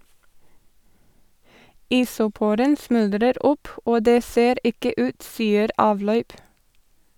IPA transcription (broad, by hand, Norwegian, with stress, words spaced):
ˈɪsʊˌpuːɾən ˈsmʉldɾəɾ ˈʊp ˈoː ˈdeː ˈseːɾ ˈɪkə ˈʉːt ˈsiːəɾ ˈɑːʋˌlœʏp